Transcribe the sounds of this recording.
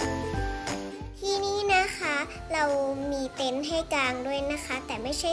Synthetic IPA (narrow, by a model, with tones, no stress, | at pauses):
t̪ʰiː˧˩niː˧˥˨na˦˧˥kʰa˦˥ | ɾa˧wmiː˧t̪e˧˩nɦa˥˩jkaː˧ŋdu˥˩əjna˦˥kʰa˦˥t̪ɛː˨˩ma˥˩jt͡ɕʰa˥˩